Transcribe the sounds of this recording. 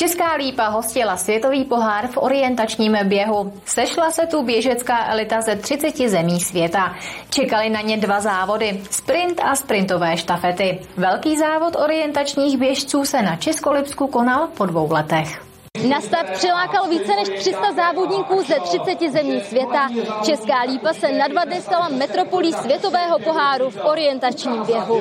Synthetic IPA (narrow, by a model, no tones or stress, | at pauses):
t͡ʃɛskaːliːpaɦo̞scɪlasvjɛt̪o̞viːpo̞ɦaːɾfʔo̞ɾɪjɛnt̪at͡ʃɲiːmbjɛɦu | sɛʃlasɛt̪ubjɛʒɛt͡skaːʔɛlɪt̪azɛt̪r̝̥ɪt͡sɛcɪzɛmiːsvjɛt̪at͡ʃɛkalɪnaɲɛdvazaːvo̞dɪspɾɪnt̪ʔaspɾɪnt̪o̞vɛːʃt̪afɛt̪ɪvɛlkiːzaːvo̞t̪ʔo̞ɾɪjɛnt̪at͡ʃɲiːɣbjɛʃt͡suːsɛnat͡ʃɛsko̞lɪpskuko̞nalpo̞dvo̞wlɛt̪ɛx | nast̪afpr̥ɪlaːkalviːt͡sɛnɛʃt̪r̝̥ɪst̪azaːvo̞dɲiːkuːzɛt̪r̝̥ɪt͡sɛcɪzɛmɲiːsvjɛt̪at͡ʃɛskaːliːpasɛnadvadnɪst̪alamɛt̪ɾo̞po̞liːsvjɛt̪o̞vɛːɦo̞po̞ɦaːɾufʔo̞ɾɪjɛnt̪at͡ʃɲiːmbjɛɦu